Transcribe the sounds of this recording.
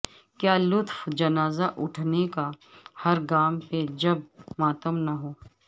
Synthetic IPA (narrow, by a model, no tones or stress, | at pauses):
kjaːlʊt̪fd͡ʒɐnaːzaʔʊʈʰnekahɐɾɡaːmped͡ʒɐb̚maːt̪əmnaɦoː